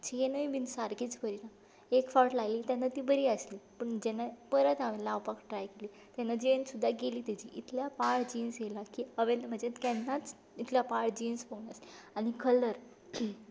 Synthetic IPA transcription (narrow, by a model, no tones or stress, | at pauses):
t͡ɕenəibinsaɾɡit͡spəɾina | ekfɔʈlaliːt̪janːat̪iːbəɾiːəsliːpəɳd͡ʑɛnːapəɾət̪aʋɛlaawpakʈɾajkeliː | t̪janːad͡ʑensud̪ʱːaɡeliːt̪ɛd͡ʑḭʔit̪ʰljapaɽd͡ʑinsjelakiəʋenm̤əɳd͡zekɛnːat͡s | it̪ʰljapaɽd͡ʑinspəɡnasaɽ̃ikʰələɾ